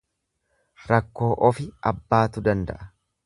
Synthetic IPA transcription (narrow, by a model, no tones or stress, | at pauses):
ɾɐkːo̞ːʔɔfɪɐbːaːt̪ʊd̪ɐnd̪ɐ̰ʔɐ